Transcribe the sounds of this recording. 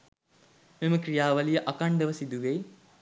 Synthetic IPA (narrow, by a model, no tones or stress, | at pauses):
meməkrijaːʋɐlijəʔakaɳɖəʋəsid̪uʋej